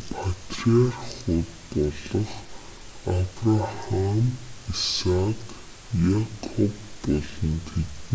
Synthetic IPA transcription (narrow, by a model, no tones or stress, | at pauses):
pʰat̪riarχʊːt̪pɔɮɞ̆χ | apraχamisak | jakʰɔpːɔɮɞ̆nt̪ʰet̪